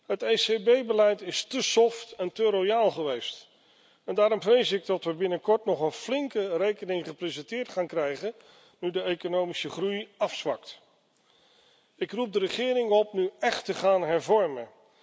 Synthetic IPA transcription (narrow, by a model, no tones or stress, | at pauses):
ɦətejsebejbəlɛjtɪstəsɔftɛntəɾojaːlˠχəʋejst | ɛndaːɾɔmvrejsɪɡ̚dɑtʋəbɪnəkɔɹtnɔχənflɪŋkərejkənɪŋχəprezɛntɪːɹtχaːnkrɛjχən | nydəejkonowmisəχrujɑfsʋɑ̰kt | ɪkrup̚dərəχɪːrɪŋɔpnyɛχtəχaːnɦɛɹvɔɹmən